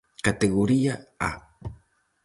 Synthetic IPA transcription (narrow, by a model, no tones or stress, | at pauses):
kat̪eɣoɾiaa̰